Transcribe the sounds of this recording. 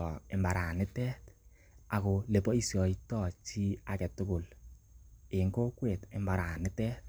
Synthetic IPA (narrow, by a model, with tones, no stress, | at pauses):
ɔ˨ɪ˨mba˨ɾa˨nɪ˦tɛ˦t | a˨ko˨le˨pɔ˦i˦sjɔ˨itɔ˦˨t͡ʃi˦a˨kɛ˨tʊ˦kʊ˨l | ɪ˨ŋɡo˦kwe˨tɪ˨mba˨ɾa˨nɪ˦tɛ˦t̚